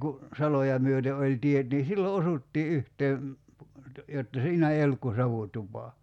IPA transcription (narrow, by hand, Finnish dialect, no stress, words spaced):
ku sɑlojɑ myøte olʲ tiet niː silːo osutːiː yhteː jotːɑ siːnæ ei olːuk ku sɑʋutupɑ